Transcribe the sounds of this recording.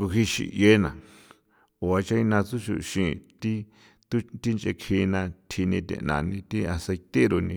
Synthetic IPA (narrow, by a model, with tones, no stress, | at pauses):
ku˧ɦi˧ʃḭ˨ʔje˦nã˨ | o˨a˧t͡ʃã˦i˧nã˧t͡su˦ʃṵ˧ʃĩ˧˨t̪i˦ | t̪u˦t̪i˦nt͡ʃe˧kʰĩ˧nã˧t̪ʰi˧nĩ˧t̪ḛ̃˧ʔnã̰˨nĩ˧t̪i˦a˧se˧t̪e˦ɾo˧nĩ˧